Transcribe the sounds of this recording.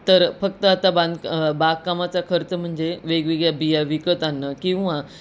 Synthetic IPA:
t̪əɾfəkt̪əat̪aband̪baɡkːamat͡sakʰəɾt͡səm̤əɳd͡zeʋeɡʋiɡjabijaʋikət̪anːəkĩw̃ʋa

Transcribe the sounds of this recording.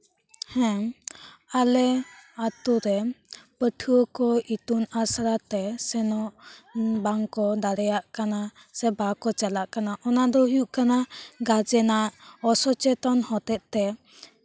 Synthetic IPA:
hɛ̃ | alɛat̪uɾɛpəʈʰuwəkɔit̪unasɾat̪ɛsɛnɔʔbaŋkɔd̪aɾɛjaʔkana | sɛbakɔt͡ʃalaʔkanaʔɔnad̪ɔɦijuʔkanaɡad͡ʒɛnaʔɔsɔt͡ʃɛt̪ɔnhɔt̪ɛt̪̚t̪ɛ

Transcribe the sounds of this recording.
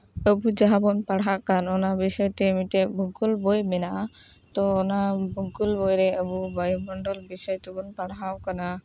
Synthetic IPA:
əbud͡ʒaɦabɔnpaɽɦakanɔnabisɔjɔt̪emitɛbukulbojmɛna | t̪ɔːnabukulbɔjɾɛəbubajmɔɳɖɔlbisɔjt̪ɛbɔnpaɽawkana

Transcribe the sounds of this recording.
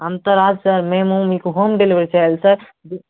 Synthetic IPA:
ɐnt̪əɾaːd͡ʒsɐɾmẽmũmikɦomɖeliʋəɾit͡ʃaelsɐɾ | di

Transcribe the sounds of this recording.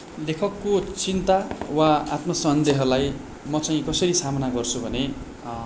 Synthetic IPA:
lekʰʌkːot͡sint̪awaat̪mʌsʌnd̪eɦʌlaj | mʌt͡saĩkʌsʌɾisamʌnaɡʌrt͡sʰubʱʌne

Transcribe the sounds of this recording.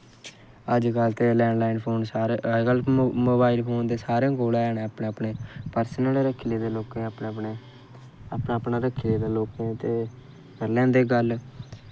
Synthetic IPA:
əd͡ʒkəlt̪eːlɛ̃ːɳlaːinpʰoːnsaɾɡəlmoːbaːilpʰoːnd̪eːsaːɾẽːkoːlaːɛːneːəpɳeːəpɳeːpəɾsənəleɾəkʰːileːd̪eːloːkẽːəpːeː | əpnaːpnãːɾəkʰːileːd̪eːloːkẽːt̪eː | kəlɛ̃ːd̪eːɡəl

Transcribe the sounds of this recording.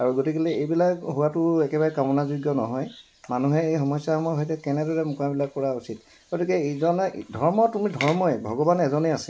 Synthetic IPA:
aɹuɡotikilɛejbilakɦʊwatʊɛkɛbaɹɛkamɔnazujɡjɔnɔɦɔj | manuɦɛejxɔmɔjsahɔmɔjɦɔjtɛkɛnɛdɔɹɛmʊkabilak̚pɔɹausit | ɡ̥otikɛezɔndʱɔɹmɔtumidʱɔɹmɔjbʱɔɡɔbanɛzɔneasɛ

